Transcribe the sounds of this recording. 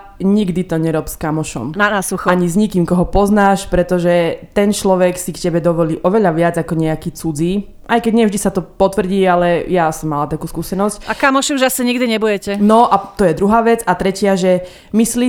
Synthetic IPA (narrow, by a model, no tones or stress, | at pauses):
ɲiɡd̪it̪ɔɲɛɾɔpskamɔʃɔ̰mnaasuxaɲizɲikiːmkɔɦɔpɔznaːʃpɾɛt̪ɔʒɛt̪ɛnt͡ʃlɔʋɛksikcɛbɛd̪ɔʋɔliːʔɔʋɛʎaʋɪad͡zakɔɲɛakiːt͡sud͡ziː | ʔajkɛɟɲɪɛvʒd̪isat̪ɔpɔt̪ʋr̩ɟiːalɛjasɔmːalat̪akuːskuːsɛnɔscakamɔʃɛuʒasɛɲiɡd̪iɲɛbujɛcɛnɔʔat̪ɔjɛd̪ɾuɦaːʋɛd͡zat̪ɾɛcɪaʒɛ | misli